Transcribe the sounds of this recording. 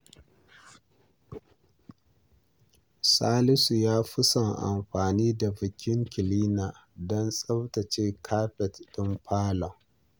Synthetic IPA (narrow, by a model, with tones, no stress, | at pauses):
saː˦lɪ˦su˨jaː˦ɸʊ˦sɐ˨ŋʔa̰˨mɸaː˨niː˦da˨bɪ˨kʲɪ˦ŋkʲɪ˨liː˦naː˨ | dɔ˦nsʼɐ˦ta˨t͡ʃeː˦kʰaː˦ɸɛ˨ttʊ˦mɸʰaː˦la˨